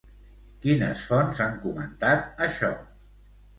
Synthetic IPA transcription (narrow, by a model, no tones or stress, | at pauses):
kinəsfɔnzaŋkumənt̪at̪əʃɔ